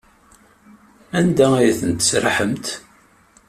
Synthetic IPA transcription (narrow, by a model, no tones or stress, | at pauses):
ænd̪ææjθənt̪ə̥sɾħəmt̪